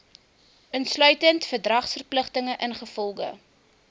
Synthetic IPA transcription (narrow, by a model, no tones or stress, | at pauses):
ənslœɥtəntfərdrɐχsfərpləχtəŋəʔənχəfɔlˠɡə̰